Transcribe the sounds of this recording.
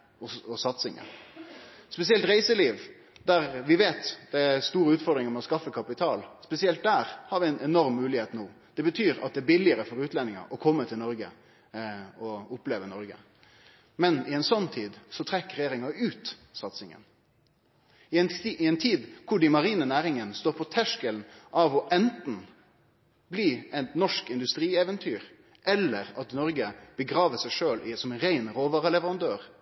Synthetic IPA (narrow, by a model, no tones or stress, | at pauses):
ɔɔsɑt̪sɪŋə̰n | spɛsɪɛlt̪ɾæɪsəliːʋ | d̪æʁʋɪʋeːt̪d̪̥ɛæst̪uːɾəʉːt̪fɔʁd̪ɾɪŋəɾmɛɔskɑfːəkʰɑpɪt̪ʰɑːlspɛsɪɛlt̪̚d̪æːɾhɑɾʋɪɛɪnɛnɔɾmːʉːlɪheːt̪nuːd̪̥ɛbət̪ʰyːɾɑ̰t̪̚d̪ɛæbɪlɪəɾəfɔɾʉːt̪lɛnːɪŋɑ̰ʔɔkʰɔmːət̪ʰɪlnɔɾɡə̰ | ɔʊpleːʋənɔɾɡə̰ | mɛnɪɛnsɔnːt̪ʰiːd̪sɔt̪ʰɾɛkːɾɛjeːʁɪŋɑʉːt̪sɑt̪sɪŋə̰n | ɪɛnt̪ʰiːd̪kʰʊɖɪmɑʁiːnənæːɾɪŋənst̪oːɾpʰɔt̪ʰæʂkəlnʔɑʋɔʔɛnt̪n̩ | bliːɛt̪nɔʂkɪnd̪ʉst̪ɾiːɛːʋənt̪ʰyːɾ | ʔɛlːəɾɑt̪nɔɾɡəb̥əɡɾɑːʋəsæɪʂøːlɪsɔmɛnɾæɪnʁoːʋɑːʁəlɛʋəʁɑnd̪øːʁ